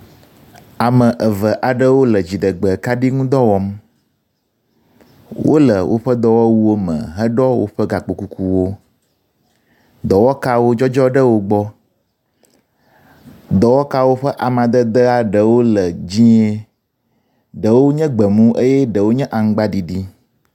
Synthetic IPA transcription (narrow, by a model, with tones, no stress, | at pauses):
a˨mə̃˨ʔə˨və˨ʔa˨ɖə˦wo˦lə˨d͡ʑi˨ɖə˨ɡ͡bə˨ka˦ɖi˦ŋũ˦d̪ɔ˦wɔ˦m | wʔo̰˦lə˨wʔo̰˦ɸə˦d̪ɔ˨wɔ˦wu˦o˦mə̰̃˨ɦə˦ɖɔ˦wo̰˦ɸə˦ɡa˨k͡po˨ku˦ku˨wo˦ | d̪ɔ˨wɔ˦ka˦wo˦d͡ʒɔ˦d͡ʒɔ˦ɖə˦wo˦ɡ͡bɔ˦ | d̪ɔ˨wɔ˦ka˦wo˦ɸə˦ʔa˨mã˨d̪ə˦d̪ə˦a˨ɖə˨wo˦lə˨d͡ʑĩ˦e˦ | ɖə˨wo˦ɲɛ̃˦ɡ͡bə˨mũ˦ʔe˦jɛ˦ɖə˨wo˦ɲɛ̃˦ʔa˨ŋ˦ɡ͡ba˦ɖi˨ɖi˦